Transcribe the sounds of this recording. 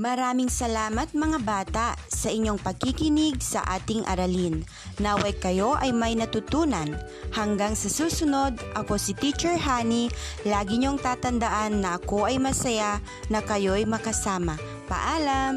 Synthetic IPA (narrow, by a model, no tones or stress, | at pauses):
mɐɾaːmɪŋsɐlaːmɐt̪̚mɐŋabaːt̪aʔsɐʔɪɲːoŋpɐɡ̚kɪkɪnɪɡ̚sɐ̰ʔaːt̪ɪŋʔɐ̰ɾɐlinː | awɐjkɐjo̞ʔɐjmɐjnɐt̪ʊt̪uːnɐn | hɐŋɡaŋsɐsuːsʊno̞d̪̚ʔɐko̞sɪt̪it͡ʃɛɹɦaːnilaːɡɪɲoɐŋt̪aːt̪ɐnd̪ɐʔanːɐʔɐko̞ʔɐjmɐsɐja | nɐkɐjo̞jmɐkɐsaːmɐ | pɐ̰ʔaːlɐm